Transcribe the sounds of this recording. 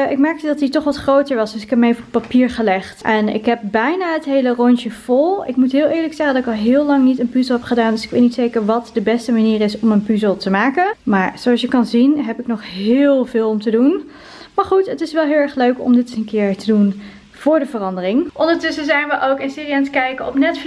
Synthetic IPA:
ʔɪkmɛɹk̚tədɑtditɔχʋɑtχrowtəɹʋɑsdɵsɪ̥kɛpmejvəɔpːapiːɹχəlɛχtʔɛnɪ̰kɦɛp̚bɛjnaːɦətɦejlərɔnt͡ʃəv̥ɔlˠɪkmutɦɪːlˠʔɪːɹləksɛχəndɑtɪkɑlˠɦɪːlɑŋnitənpyzəlˠɦɛpχədaːndɵsɪ̥kʋetnitsejkəɹʋɑtdəbɛstəmaniːɾɪsɔmənpyzəlˠtəmaːkənmaːɹz̥oɑsjəkɑnzinɦɛpɪknɔχɦɪːlˠvɪːlˠɔmtədun | maːɹχutətɪsʋɛlˠɦɪːlˠɛɹχløɥkɔ̰mdɪtənkɪːɹtədun | v̥ʊːɹdəvərɑndərɪŋʔɔndəɹtʏsəzɛjnʋəʔowkɪnsiːriantkɛjkəɔpnɛtfl

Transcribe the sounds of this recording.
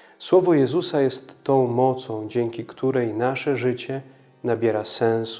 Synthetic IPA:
swɔvɔjɛzusajɛst̪ːɔ̃w̃mɔt̪sɔ̃w̃d͡ʑɛŋkʲikt̪ʰuɾɛjnaʂɛʐɘt͡ɕɛ | nabʲjɛɾasɛ̃ñs

